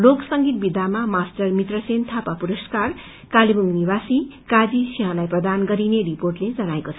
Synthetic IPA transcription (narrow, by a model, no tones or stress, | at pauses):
loksʌŋɡit̪̚bid̪ʱamamasʈʌrmit̪rʌsent̪ʰapapuɾʌskar | kalibuŋɡniβasikad͡zisiɦãlajprʌd̪anɡʌɾineriporʈled͡zʌnaekot͡sʰʌ